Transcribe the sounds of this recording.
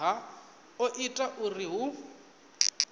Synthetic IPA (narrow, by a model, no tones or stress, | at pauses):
ɦa | oʔitʼaʔuriɦʊ